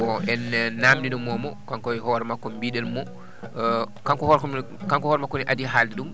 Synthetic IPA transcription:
ɔʔɛnnːamdinɔmɔmɔkaŋkɔɦɔɾɛmakːɔmbiɗɛlmɔ | kaŋkɔhɔɾkɔ | kaŋkɔhɔɾmakːɔniʔadiɦaːliɗum

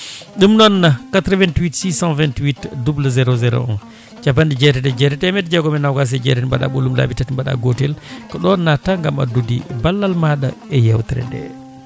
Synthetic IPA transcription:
ɗumnɔnːakatɾvɛntwitsisãnvɛntwitdublazɛɾozɛɾo̰ɔ̰n | t͡ʃapːandid͡ʒɛtɛdɛd͡ʒɛtɛtɛmɛdd͡ʒɛɡɔmɛnawɡas̬ɛd͡ʒɛ̰tɛibaɗa̰ɓolumla̰bitatimbaɗa̰ɡotɛlkɔɗɔnːataŋɡama̰dudḭbalːalmaɗa̰ɛjɛwtɛɾɛ̰ɗɛ̰

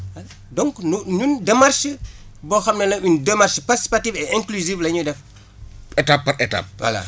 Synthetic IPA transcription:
wɐl | dɔŋknuɲundɛmarʃbɔxɐmnɐnɐundɛmarʃpatisi̥patifɛɛŋkluziflɐɲudɛf | ɛtapːɐɾɛta̰p̚wa̰la̰

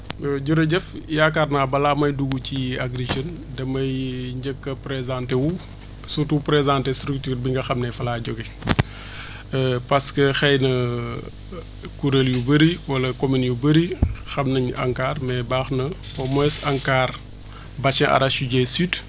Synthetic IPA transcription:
ɟuɾɐɟɛfjaːkaːrnabɐlaːmɐjduɡuciaɡɾid͡ʒən | dɐmɐjɲɟəkːɐpɾezãntewu | sutupɾezãːntestɾuktiːɾbiŋɡɐxɐmnɛfɐlaːɟɔɡi | pɐskəxɛjnɐ | kuɾɐljubəɾiwɐlɐkominjubəɾixɐmnɐɲa̰ŋkaːɾmɛbaːxnɐ | ɔmɛsaŋkaːɾ | bat͡ʃɐ̃ʔa̰ɾaʃuɟɛsyːt

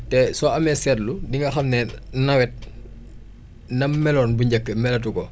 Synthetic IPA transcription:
tɛsɔɐmɛsɛːtludiŋɡɐxɐmnɛnɐwɛt̚ | nɐmmɛlɔːnbuɲɟɐkːəmɛlɐt̬ukɔ

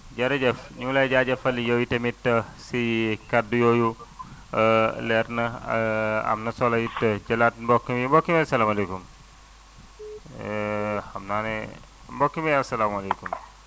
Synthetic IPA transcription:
d͡ʒɐɾɐd͡ʒɐfɲuŋlad͡ʒad͡ʒɐfɐlijojitɐmitːɐsikɐdujoju | lɛɾnɐ | ɐ̰mnɐsɔlɐjitːɐd͡ʒɐlat̚nbokːimimbokːimesɐlaːmɐlekum | ɐmnane | mbokːimeɐsɐlamuɐlekum

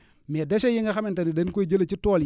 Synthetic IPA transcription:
medaʃejiŋaxamintanidenkoid͡ʒelet͡ʃitoːl

